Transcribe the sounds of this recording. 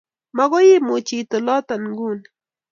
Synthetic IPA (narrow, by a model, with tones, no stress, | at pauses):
ma˦ɡɔ˦jɪ˦mʊ˨t͡ʃi˨t̪ɔ˨lɔ˦t̪a˨nɡu˦˨n